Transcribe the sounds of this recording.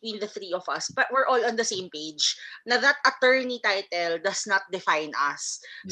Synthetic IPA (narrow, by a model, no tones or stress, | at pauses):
wĩːnd̪ɐθɾiɔvɐ̰sbɐt̪wɪɹʔoɔlɔ̃nd̪ɐsẽjmpeɪd͡ʒnɐðɐt̪̚ʔɐt̪ɛ˞nit̪ajt̪ɛld̪ɐsnɐt̪̚d̪ɪfãjnʔɐs